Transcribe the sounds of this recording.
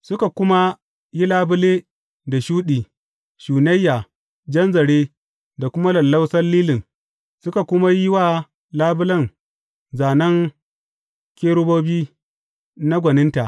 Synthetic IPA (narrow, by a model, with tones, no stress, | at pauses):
sʊ˦ka˨kʷʊ˦ma˦ | ji˦laː˦bʊ˦leː˦ | da˨ʃuː˦ɗiː˨ | ʃuː˨nɐ˦jːa˨ | d͡ʒɐ˦nzɐ˨ɽeː˦ | da˨kʷʊ˦ma˦lɐ˨lːa˦wsɐ˦lːiː˦lɪ˨ŋ | sʊ˦ka˨kʷʊ˦ma˦ji˦waː˦ | laː˦bʊ˦lɐ˦ŋ | zaː˨nɐ˦ŋ | kʲeː˦ɽʊ˦boː˦biː˦ | na˦ɡʷɐ˨nɪ˦nta˨ʔ